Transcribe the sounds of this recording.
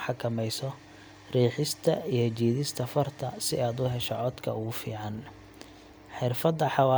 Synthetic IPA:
ħɑkʰɐmɛjsɔ | riːħɪst̪ʰɐijɔt͡ʃiːðɪst̪ʰɐfɐrt̪ʰɐsɪaːd̪ʊɦɛʃɔʕɔd̪kʰɐ̰ʊɣʊfḭːʕɑn | ħɪrfɐd̪ːɐħɑwaː

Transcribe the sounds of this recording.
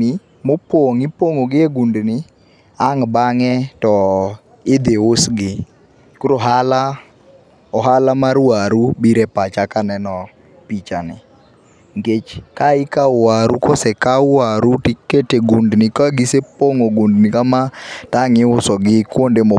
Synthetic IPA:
ɪ | mopwoŋɪpoŋoɡɪeɡundnɪ | aŋbaŋɛtɔ | ɪd̪ɪʊsɡɪ | kuɾoɦala | ɔɦalamaɾwaɾubiɾɛpat͡ʃakanɛnɔ | pit͡ʃanɪ | ŋɡet͡ʃkaɪkawaɾukɔsɛkawaɾutikːeteɡundnɪkaɡɪsepoŋoɡundnɪkamataŋɪʊsɔɡɪkwondemo

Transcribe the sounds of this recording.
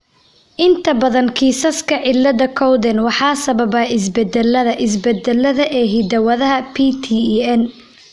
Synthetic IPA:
ʔɪnt̪ʰɐbɐðɐnkʰiːsɐskʰɐʕɪlːɐðɐkʰɔwd̪ɛnwɑħɑːsɐβɐβɐːɪs̬bɛd̪ɛlːɐðɐʔɪs̬bɛd̪ɛlːɐðɐʔɛːɦid̪ɐwɐðɐɦɐpʰiːt̪ʰiːɛn

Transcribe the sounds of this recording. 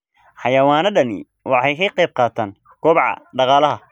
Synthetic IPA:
ħɑjɐwaːnɐɖɐnɪ̰ | wɑħɑjkʰɐqejb̚qɑːt̪ʰaːn | kʰɔːbʕɑ̰ɖɑqɑːlɐɦɐ

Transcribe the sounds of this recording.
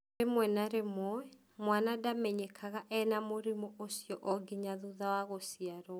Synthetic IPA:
emwɛnaɾemɔɛ | mwanadamɛɲekʰaɣaʔɛnamoɾimɔʔosjɔʔɔɡiɲaðuðawaɣosiaɾɔ

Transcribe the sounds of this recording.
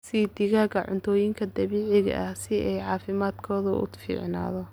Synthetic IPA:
siːd̪ɪɣaːɡɐʕʊ̰nt̪ʰɔːjɪŋkʰɐd̪ɐβiːʕɪɣɐ̰ʔɐhsɪɛjʕɑːfɪmaːd̪kʰɔːðɐʔʊ̰fḭːʕna̰ːðɔ

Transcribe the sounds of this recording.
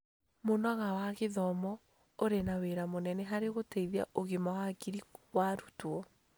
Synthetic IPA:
monwaɣawaɣeðɔmɔ | oɾenaweɾamonɛnɛɦaɾeɣotɛiðia̰ʔoɣemaakiɾiwaɾutwɔ

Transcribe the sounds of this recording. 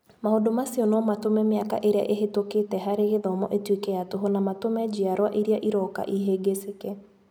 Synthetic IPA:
mahodomasiɔnɔmatomɛmeaka̰ʔeɾea̰ʔeɦetoketɛɦaɾeɣeðɔmɔ̰ʔetwekɛjatoɦɔnamatomɛd͡ʑiaɾwaʔiɾiaʔiɾɔka̰ʔiɦeɡesekɛ

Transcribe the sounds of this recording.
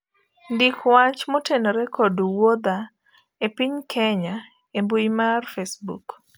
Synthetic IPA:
ndikwat͡ʃmotenoɾɛkoduwod̪a | epiɲkʰɛɲa | embujmarfesbṵk

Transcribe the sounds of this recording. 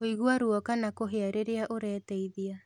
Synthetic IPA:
oiɣuaɾuɔkanakoɦeaɾeɾeaʔoɾɛːtɛiðia

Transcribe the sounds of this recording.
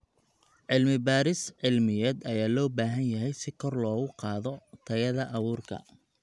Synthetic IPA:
ʕɪlmɪbaːɾɪsʕɪlmɪjɛːd̪ɐjaːlɔːbaːɦɐnjɐɦɛjsɪkʰɔrlɔːɣʊqɑːðɔt̪ʰɐɣɐðɐʔɑβuːrkʰɐ̰

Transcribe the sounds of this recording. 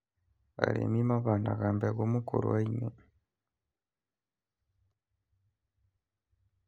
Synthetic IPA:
a̰ɾḛːmimaβaːnaɣaːmbeɡomukuɾo̰waiɲo

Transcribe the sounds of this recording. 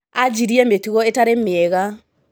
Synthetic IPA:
ad͡ʒiɾiɛmetuɣɔetaɾemeɛɣa

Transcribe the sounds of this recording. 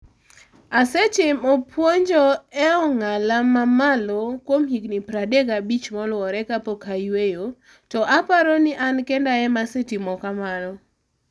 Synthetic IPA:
aset͡ʃɪmɔpwoɲd͡ʒoɛɔŋalamamalɔkwomhiknipɾadeɡabit͡ʃmɔlwɔɾɛkapokajwejo | tɔʔapaɾonɪʔankɛndaɛmasetimɔkamanɔ

